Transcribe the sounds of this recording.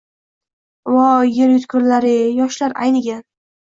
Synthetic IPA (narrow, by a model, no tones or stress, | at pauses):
wɒjeɾjʊt̪kʰʊɾlaɾɪjɒʃlaɾʔa̰jnɪɡʲa